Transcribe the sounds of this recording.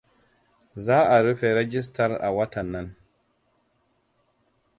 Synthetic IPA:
zaː˦a˨ɾi˦fɛ˨ɾe˦d͡ʒi˦s̬ta˦ɾa̰˨wa˦ta˨nːa˦n

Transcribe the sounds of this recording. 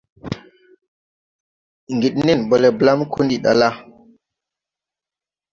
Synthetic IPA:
ŋɡi˨ɗni˦nbo˨le˨bla˦mkʰu˦ndi˨ɗa̰˨la˦

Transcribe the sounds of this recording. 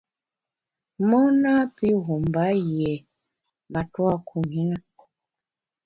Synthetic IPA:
mɔ˦na˦pi˦ɦu˨mba˦˨jɛ˨ | ma˨twa˦kʰu˨mi˨˦na˦

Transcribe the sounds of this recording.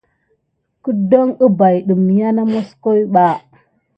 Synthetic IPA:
kə˦do˦ŋə˦ba˨jɗu˨m˨ja˦na˦mo˦sko˦jɓa˦

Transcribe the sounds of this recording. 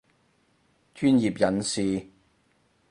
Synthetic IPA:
t͡ʃʰyː˥njiː˨p̚jɐ˨˥nsiː˨˩

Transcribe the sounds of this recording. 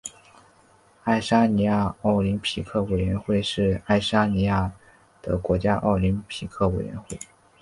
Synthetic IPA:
a˥˩ɪʂa˥ni˧˥ja˥˧ɑ˥˩ʊli˧˥npʰi˧˥kʰɤ˥˩we˨˩ɪɥɛ˧˥nxwe˥˧ɪʂɻ̩˥˧a˥˩ɪʂa˥ni˧˥ja˥˩ | d̪̥ə˨˩kwɔ˧˥t͡ɕja˥ʔɑ̰˥˩ʊli˧˥npʰi˨˧˥kʰɤ˥˩we˨˩ɪɥɛ̰˧˥nxwe˥˩ɪ

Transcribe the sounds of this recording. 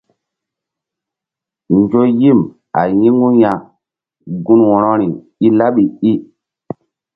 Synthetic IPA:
nd͡ʒo˦ji˦˨m | a̰˨jĩ˦ŋɡu˦ja˨ | ɡu˦nwɔ̃˨ɾɔ˦ɾi˨ | i˦la˦ɓi˨i˦

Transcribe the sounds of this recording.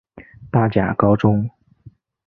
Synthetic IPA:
t̪a˥˩t͡ɕja̰˨˩kɑ˥ʊʈ͡ʂʊ˥ŋ

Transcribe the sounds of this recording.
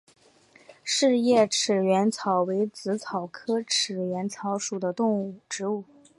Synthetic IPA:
ʂɻ̩˥˧jɛ˥˩ʈ͡ʂʰɻ̩˨˩ɥɛ˧˥nt͡sʰɑ˨˩ʊwe˧˥ɪt͡sɹ̩˧˥t͡sʰɑ˨˩ʊkʰɤ˥ʈ͡ʂʰɻ̩˨˩ɥɛ˧˥nt͡sʰɑ˧˥ʊʂu˨˩d̪ə˦t̪ʊ˥˧ŋu˥˩ʈ͡ʂɻ̩˧˥u˥˩

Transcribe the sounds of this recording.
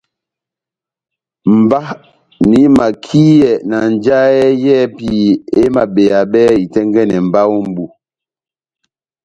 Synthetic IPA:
m̩˨ba˦ | ni˨˦ma˨kʰi˦jɛ˨na˨n˨d͡ʒa˦ɛ˦jɛ˦pii˦e˦ma˨ɓe˨a˨ɓɛ˦i˨tɛ˦ŋɡɛ˦nɛ˨m̩˨ba˦wu˦m̩˦bu˦

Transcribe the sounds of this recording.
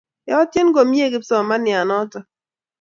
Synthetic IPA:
ɛ˨ɔ˦tje˦nɡo˨mje˦˨ɡɪ˦psɔ˨ma˦nja˨nɔ˦tɔ˨

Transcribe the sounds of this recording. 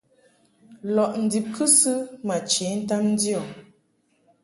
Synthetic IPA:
lɔ˨ʔn̩˨di˨p̚kʰɨ˦sɨ˦ma˨t͡ʃe˨˦n̩˦ta˦mn̩˦di˦ɔ˨

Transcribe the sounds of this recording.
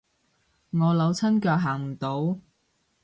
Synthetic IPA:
ŋɔː˨˧lɐ˨˧wt͡sʰɐ˥nkœː˧k̚ɦaː˨˩ŋm̩˨˩t̪o˨˧˥w

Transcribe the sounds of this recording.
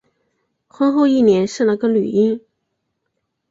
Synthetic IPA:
xə˥ŋxo˥˧ʊi˥˩njɛ˧˥nʂɻ̩˥˩lə˧˥ɡə˧ly̰˨˩i˥ŋ

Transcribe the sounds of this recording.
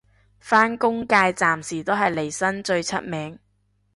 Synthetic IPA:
faː˥nkʊ˥ŋkaː˧jt͡saː˨msiː˨˩t̪o˥ɦɐ˨jle˨˩jsɐ˥nt͡ʃɵ˧ɥt͡sʰɐ̰˥t̚mɛː˨˥ŋ

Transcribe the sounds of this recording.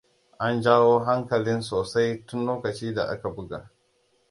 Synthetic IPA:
ʔa˦nd͡ʒaː˦woː˦ɦa˦ŋkɐ˨lɪ˦nsoː˨sa˦jtʊ˦nloː˦kɐ˨t͡ʃiː˦da˨ʔa̰˦ka˨bʊ˦ɡa̰˨ʔ

